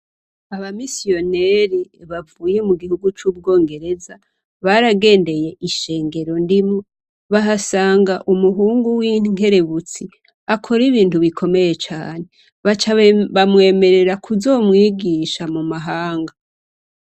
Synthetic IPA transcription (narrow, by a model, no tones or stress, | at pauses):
aβamisio̞neɾiβavuːje̞muɡihuɡut͡ʃuːbɡo̞ːŋɡe̞ɾe̞za | βaɾaɡe̞ːnde̞je̞ʔiʃe̞ːŋɡe̞ɾo̞ndimo | βaɦasaːŋɡaʔumuɦuːŋɡuwiːŋ̥e̞ɾe̞βut͡si | akʰo̞ɾiβiːntuβikʰo̞me̞je̞t͡ʃa̰ːne̞ | βat͡ʃaβamwe̞ːme̞ɾe̞ɾakʰuzo̞ːmŋiːɡiːʃamumaɦaːŋɡa